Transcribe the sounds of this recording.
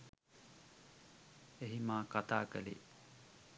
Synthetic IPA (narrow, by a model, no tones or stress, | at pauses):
eɦimaːkat̪aːkə̰lḛ